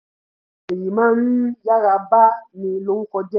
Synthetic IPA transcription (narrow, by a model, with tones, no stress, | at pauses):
e˨ji˨mã˦nũ˦ja˦ɣa˨ba˦nĩ˨lo˨˦ŋ̩˦kɔ˧dɛ˦